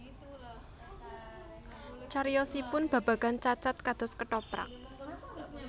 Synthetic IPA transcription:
t͡ʃaɾijɔsipʊnb̥a̤b̥a̤kant͡ʃat͡ʃat̪̚kad̪̥ɔ̤skəʈɔpɾa̰k̚

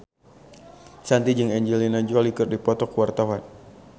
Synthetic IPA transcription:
sant̪id͡ʒɨŋɛɲd͡ʒɛlinad͡ʒɔlikɨrdipɔt̪ɔkuwart̪awan

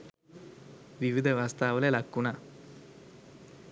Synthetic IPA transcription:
ʋiʋid̪ʱɐʋaːst̪aːʋɐlelɐkːuɳɐ

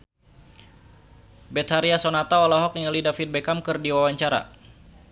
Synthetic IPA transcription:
bɛt̪haɾiasɔnat̪aɔlɔɦɔk̚iŋəlidafit̪̚bɛkamkɨrdiwawaɲt͡ʃaɾa̰

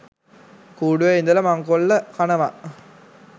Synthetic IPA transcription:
kuːɖuʋeind̪ɐlɐmaŋkoɭːɐkanɐʋa

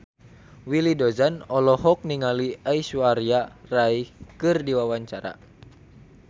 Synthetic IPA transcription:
wilidɔzanɔlɔɦɔk̚niŋaliaisuaɾiaraikɨrdiwawaɲt͡ʃaɾa̰

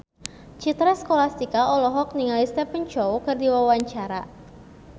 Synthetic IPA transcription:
t͡ʃit̪ɾɛskolast̪ikaʔɔlɔɦɔk̚niŋalist̪ɛpənt͡ʃowkɨrdiwawaɲt͡ʃaɾa

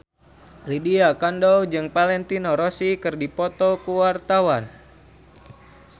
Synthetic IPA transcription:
lidiakandɔwd͡ʒɨŋpalɛnt̪inɔɾɔsikɨrdipɔt̪ɔkuwart̪awan

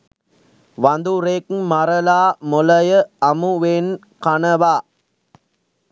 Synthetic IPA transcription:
ʋand̪uɾeːkmaɾəlaːmulɐjəɐmuʋen | kanəʋaː

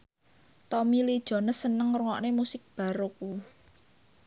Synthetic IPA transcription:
t̪ɔmilid̥ʒ̥ɔ̤nəsːənəŋruŋɔʔnemusɪk̚b̥a̤ɾok̚u

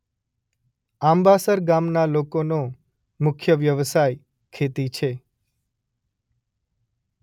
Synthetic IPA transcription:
ãmbasəɾɡamnalokono | mʊkʰjəʋjəʋsaj | kʰet̪it͡ʃʰe

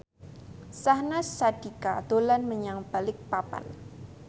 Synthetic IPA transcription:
sahnasad̥ikad̥olanməɲaŋb̥alɪk̚papa̰n

